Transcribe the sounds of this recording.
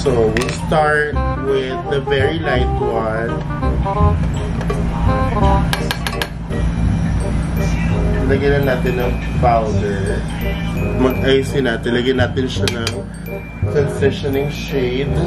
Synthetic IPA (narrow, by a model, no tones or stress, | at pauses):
sowist̪aɹt̪̚wɪðɐvɛɹilaɪt̪wɐn | lɐɡɐjnɐnːaːt̪ɪnːɐŋpawnd̪ɛɹ | mɐɡ̚ajisɪnaːt̪ɪnlɐɡɐjnaːt̪ɪnʃanɐŋ | sɛnsɛʃɔnɪ̃ŋʃeɪd̪